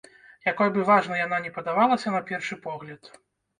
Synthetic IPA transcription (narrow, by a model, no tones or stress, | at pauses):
jakɔjbɨvaʐnɐjananʲɛpɐd̪avalˠɐsʲɐnapʲɛrʂɨpɔɣlʲɐt̪